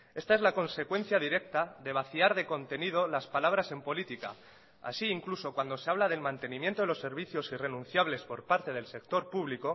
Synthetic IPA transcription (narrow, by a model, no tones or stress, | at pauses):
e̞st̪aezlako̞nse̞kwẽ̞n̟θjað̞iɾe̞k̚t̪aðe̞β̞aθiaɾð̞e̞ko̞nt̪e̞nið̞o̞laspalaβ̞ɾase̞mpo̞lit̪ika̰ | a̰siiŋkluso̞kwand̪o̞seaβ̞lað̞e̞lmãnt̪e̞nĩmjent̪o̞ðelo̞sːe̞ɾβ̞iθjo̞sire̞nũn̟θjaβ̞le̞spo̞ɾpaɾt̪e̞ð̞else̞k̚t̪o̞ɾpuβliko̞